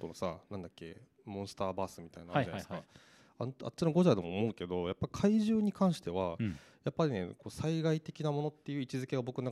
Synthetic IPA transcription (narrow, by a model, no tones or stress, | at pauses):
t̪onosanãnd̪akʲːe̞̰ | mõsɨ̥t̪aːbaːsɨmʲit̪ainaɯaneska̰ | ana̰t͡ɕːinoɡo̞ʑad̪omːmo̞ɯ̟ke̞d̪o̞japːai̥kʰaiʑɨːɲ̟ikʰãɰ̃ɕi̥t̪e̞βajapːaɾʲine̞̰ko̞ːsaiɡait̪e̞kʲinamo̞not̪ːe̞jɯ̟ːit͡ɕizɨke̞ɡabo̞kɯnna